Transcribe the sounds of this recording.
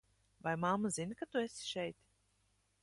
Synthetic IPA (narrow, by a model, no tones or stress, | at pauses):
vajmamazinkat̪uesi̥ʃɛjt̪